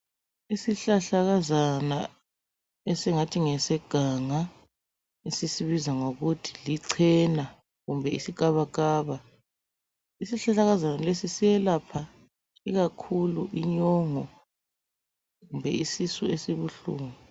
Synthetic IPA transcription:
isiɬaɬaɣazana | esiŋatʰiŋɛsɛɡ̥ʱaŋa | esisiβizaŋoɣutʰi̥liǀʰɛna | ɣumbʱɛḭsiɡ̥ʱaβakaːβa | isiɬaɬaɣazanalesisijɛlapʰa | iɣakʰuluʔiɲɔːŋɔ | ɣumbʱɛ̰isisuesiβuɬṵːŋɔ

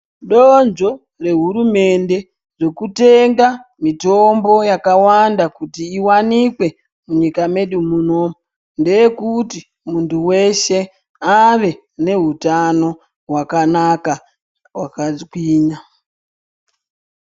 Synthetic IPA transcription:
ɗonʐo̞ | re̞ɦuɾume̞nde̞ | ʐekute̞ŋɡamito̞mbo̞jakawandakutiːwanikwe̞ | muɲikame̞ɗumuno̞mu | nde̞jekuti | muntuwe̞ʃe̞ | aʋe̞ | ne̞ɦutano̞ | ɦwakanaka | wakakwiːɲa

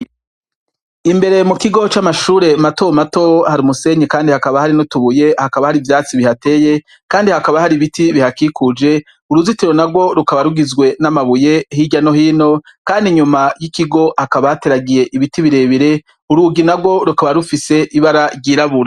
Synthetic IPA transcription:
imbe̞ɾe̞mukiɡo̞t͡ʃamaʃuːɾe̞mato̞mato̞haɾimuse̞ɲikaːndihakaβahaɾinotuβuje̞hakaβahaɾivjaːt͡siβihate̞je̞ | kaːndihakaβahaɾiβitiβihakikud͡ʒe̞ | uɾuzitiɾo̞naɡɡwo̞ɾukaβaɾuɡizɡwe̞namaβuje̞hiɟano̞hiːno̞ | kaːndiɲumajikiɡo̞hakaβahate̞ɾaɡije̞ʔiβitiβiɾe̞βiɾe̞ | uɾuɡinaɡwo̞ɾukaβaɾufise̞ʔiβaɾaɾɟiːɾaβuɾa

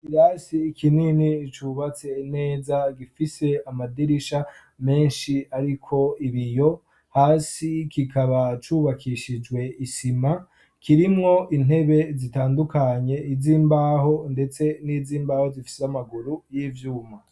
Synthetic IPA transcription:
iɾaːsiːkʰininit͡ʃuβat͡se̞ne̞ːzaɡifise̞amadiɾiʃa | me̞ːnʃiaɾikʰo̞iβijo̞ | haːsikikʰaβat͡ʃuːβakʰiʃid͡ʒwe̞isima | kiɾimŋo̞ʔin̥he̞βe̞zitaːndukaɲe̞iziːmbaːɦo̞nde̞t͡se̞niːziːmbaːho̞zifi̥seamaɡuɾujiːvjuːma

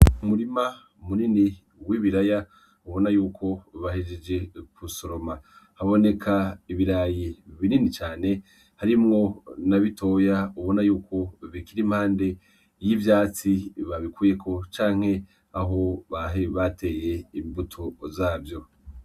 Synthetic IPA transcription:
umuɾima | munini | wiβiɾaja | uβo̞najuːkʰo̞βahed͡ʒed͡ʒe̞kʰuso̞ɾo̞mahaβo̞ne̞kʰaiβiɾaːjiβininit͡ʃaːne̞ | haɾimŋo̞naβitʰo̞ːjauβo̞najuːkʰo̞βikiɾimhaːnde̞ | jivjaːt͡siβaβikuːje̞kʰo̞t͡ʃaːŋ̥he̞ | aɦo̞βaeβate̞ːje̞imbutʰozaːvjo̞

